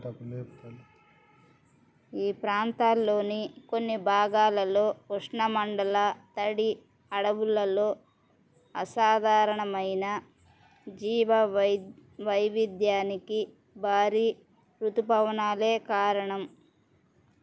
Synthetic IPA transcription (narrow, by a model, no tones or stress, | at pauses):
iːpɾaːnt̪aːlːo̞ːnikonːibʱaːɡaːlɐlo̞ːuʂɳɐmɐɳɖɐlɐt̪ɐɽi | ɐɽɐʋulːɐlo̞ː | ɐ̰saːd̪ʱaːɾɐɳɐmɐjnɐ | d͡ʒiːʋɐ | ʋɐjʋid̪jaːniki | bʱaːɾiː | pɾut̪upɐʋɐnaːle̞ːkaːɾɐɳɐm